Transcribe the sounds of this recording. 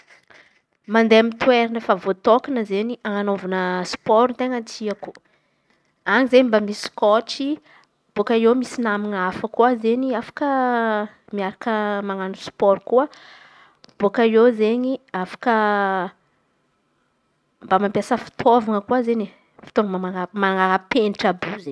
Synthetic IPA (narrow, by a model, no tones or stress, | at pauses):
mand̪eamint̪weɾinəfavot̪okanəzeɲiaŋanovanəspɔɾnt̪eŋant̪ʰiaku̥ | aŋizeɲimbamiskɔʈ͡ʂi | b̥okaemisinamiŋafəkuazeɲiafḁkə | miaɾakəmaŋanuspɔɾkuə | b̥okaewzeɲiafḁkə | mbamampjasəfi̥t̪ʰovaŋəkuazeɲe | fi̥t̪ovŋəaamaŋaɾapeniʈ͡ʂabuze